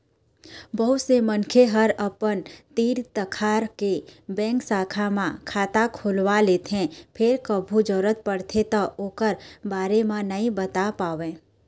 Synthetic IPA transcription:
bəɦʊt̪semənkʰeɦəɾəpənt̪iːɾt̪əkʰaːɾkebɛ̃ːŋksaːkʰamãkʰaːt̪akʰoːlwaleːt̪ẽpʰɪɾkəbʱud͡ʒɔːɾət̪̚pəɽt̪ʰet̪aoːkəɾbaːɾemãnɐɦĩbət̪apaːʋẽː

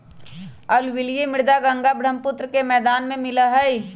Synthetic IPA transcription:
əlwɪljemɪɾd̪aɡə̃ŋɡabɾəmpʊt̪ɾəkemɛːd̪aːnmẽmɪləɦəi

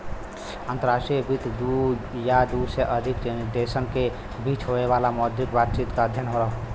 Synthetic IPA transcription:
ənt̪əɾasʈiebit̪d̪ujad̪useʔəd̪ʱikt͡ʃenid̪esənke | bit͡ʃɦoeβalamɔd̪jikbat̪̚t͡ʃit̪kaəd̪ʱjənɦoɾəɦ

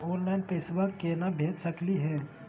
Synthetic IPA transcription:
õːnlaɪnpeːsʋəɾkːeːnabʱeːd͡ʒ̪səkliɦɛ̃ː

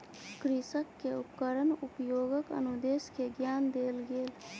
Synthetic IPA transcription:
kɾisəkːeʊpkəɾənʊpjoːɡəkə̰nʊd̪eːskeɡjaːnd̪eːlɡeːl

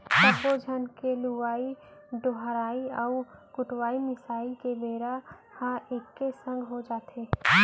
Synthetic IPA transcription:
səbʋod͡ʒʱənkeluʋaːiɖoɦɾaːiɔːkʊʈwaːimɪsaːikebeːɾa | hãʔekːesə̃ŋɡʱɦod͡ʒaːt̪eː

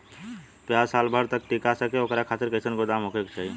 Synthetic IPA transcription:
pjaːzsaːlbʱəɾt̪ək̚ʈikasəkeokɾakʰaːt̪ɪɾkəɪsənkod̪aːmɦokekt͡ʃaːɦi

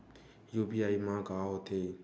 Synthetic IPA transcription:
juːbiːaːimãːɡaːɦot̪ʰeː

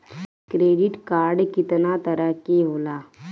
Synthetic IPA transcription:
kɾeːɖɪʈkaːɾɖkɪt̪nat̪əɾəɦkeɦoːlaː

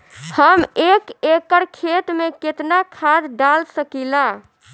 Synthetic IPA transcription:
həmekekəɾkʰet̪meket̪nakʰad̪ɖalsəkila

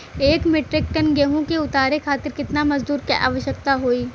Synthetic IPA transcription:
eːkmɪʈɾɪk̚ʈənɡeɦõkeʊt̪aːɾekʰaːt̪ɪɾkɪt̪namɐzd̪uːɾkiʔa̰ːʋəʃjəkt̪aɦoːiː

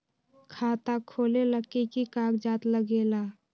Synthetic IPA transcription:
kʰaːt̪akʰoːleləkikikaːkd͡ʒaːt̪ləɡeːlaː

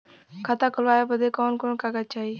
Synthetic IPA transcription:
kʰat̪akəlʋaːjebəd̪ekɔːnkoɳkaɡat͡ʃaːi

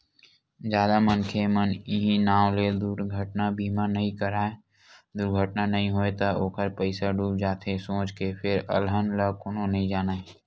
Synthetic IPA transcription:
d͡ʒjaːd̪amənkʰemənɪɦĩnaːwled̪uɾɡʱəʈnabʱiːmanəɦĩkəɾaːe | d̪ʊɾɡʱəʈnanəɦĩɦoːet̪ɐoːkəɾpəɪsaɖuːp̚d͡ʒaːt̪ʰesõːt͡ʃkepʰɪɾə̰lɦənləkʊnonɐɦĩd͡ʒaːnae

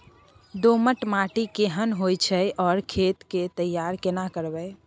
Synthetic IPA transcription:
d̪oməʈmaʈikeɦənɦojt͡ʃʰəjʔɔːɾkʰet̪ket̪əjːaɾkenakəɾbə

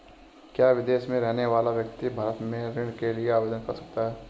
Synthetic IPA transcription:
kjaːʋɪd̪eːʃmẽɾɛɦneʋaːlaʋjəkt̪ibʱaːɾət̪mẽɾɪɽ̃kelieaːʋeːd̪ənkɐɾsɐ̥k̚t̪aɦɛː

